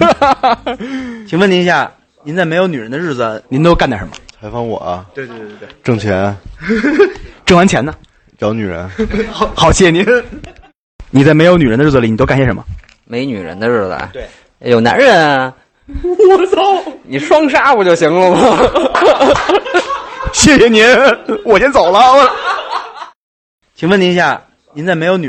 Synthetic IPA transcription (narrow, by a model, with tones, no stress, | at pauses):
t͡ɕʰi˨˩ŋwə˥˩ni˧˥˧ɕja˥˩ | ni˧˥nt͡sa˥˩ɪme˧˥ɪjo˧˥ʊny˨˩ɻə˧˥nd̪ə˧ɻ̩˥˩d͡zə˩ni˧˥nt̪o˥ʊka˥˧nt̪a˥˩ʂə˧˥mɐ̰˧t͡sʰa˧˥ɪfɑ˥ŋwɔ̰˨˩ɐ˦t̪we˧t̪we˥˧ʈ͡ʂɤ˥˩ŋt͡ɕʰjɛ˧˥n˧ | ʈ͡ʂɤ˥˩ŋwa˧˥nt͡ɕʰjɛ˧˥nɐ˧ | t͡ɕjɑ˧˥ʊny˨˩ɻə̰˧˥nxɑ˨˩ʊt͡ɕʰjɛ˥˩ni˧˥ | ni˨˩t͡sa˥˩ɪme˧˥ɪjo˧˥ʊny˨˩ə˧˥d̪ə˧ɻ̩˥˩ə˧i˨˩ni˨˩t̪o˥kjɛ˥˩ʂə˧˥mə˧ | me˧˥ɪny˨˩ɻə̰˧˥nd̪ə˧ɻə˥˩d̪ə̰˩ | jo˨˩ʊna̰˧˥nɻə˧˥˩n˧˩ | ni˨˩ʂwɑ˥ŋʂ̬a˥pu˨˩t͡ɕjo˥˩ʊɕi˧˥ŋlə˧mɐ˨˩ | ɕjɛ˥˩ɕɛ˨˩ni˧˥nwɔ˨˩ɕjɛ˥nt͡so˨˩ʊlə˦we˥˩l | t͡ɕʰi˨˩ŋwə˥˩ni˧˥˧ɕja˥˩ | ni˧˥nt͡sa˥˩ɪme˧˥ɪjo˧˥ʊny˨˩